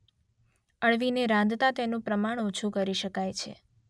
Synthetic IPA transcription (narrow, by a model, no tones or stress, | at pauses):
əɭʋineɾãnd̪t̪at̪enũpɾəmaɳ̃ut͡ʃʰukəɾiʃəkajt͡ʃʰḛ